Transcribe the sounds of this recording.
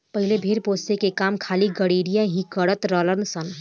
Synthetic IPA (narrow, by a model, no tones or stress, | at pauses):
pəɦɪlebʱiːɾpoːst̪ekekaːmkʰaːliɡəɽiːɽijaɦĩkəɽət̪ɾələnsən